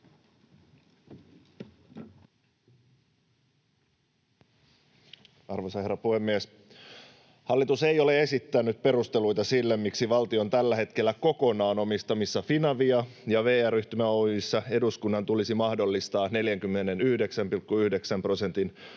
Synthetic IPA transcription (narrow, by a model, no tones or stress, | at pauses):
ɑrʋosɑhe̞rːɑpuhe̞mːies | hɑlːit̪use̞jo̞le̞e̞sit̪ːænyt̪̚pe̞ɾust̪e̞lujt̪ɑsilːemːiksiʋɑlt̪io̞nt̪ælːæɦe̞t̪k̟e̞lːæko̞ko̞nɑːno̞mist̪ɑmisːɑfinɑʋiɑjɑʋe̞ːæryht̪ymæojisːɑe̞duskunːɑnt̪ulisimɑhdo̞lːist̪ɑːne̞ljæŋkymːe̞ne̞nyhde̞ksæmpilkːuyhde̞ksæmpro̞se̞nt̪in